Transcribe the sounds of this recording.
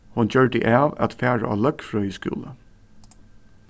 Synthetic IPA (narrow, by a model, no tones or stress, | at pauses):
hʊnçøːɹɖə̰ʔæːʋɑ̰t̪fæːɹə̰ʔɑ̰ːlœkfɹœːjəskʉ̰ːlə